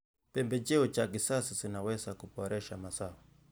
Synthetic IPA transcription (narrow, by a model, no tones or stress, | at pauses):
pɛmbɛd͡ʒɛɔt͡ʃakisasisinawɛsakupɔɾɛʃamasawa